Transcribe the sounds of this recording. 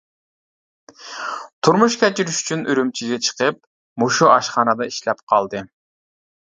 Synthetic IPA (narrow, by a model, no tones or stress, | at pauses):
t̪ʰuɾmuʃkʲɛt͡ʃiɾyʃy̥t͡ʃʰynʔyɾymt͡ʃʰiɡʲɛt͡ʃʰə̥qəp̚ | moʃuʔɑʃχɑːnɑd̪ɑiʃlɛpqʰɑlˠd̪ɨ